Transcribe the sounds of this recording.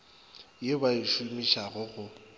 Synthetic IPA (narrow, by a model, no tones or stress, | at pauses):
jebaiʃʊmiʃaɣʊɣʊ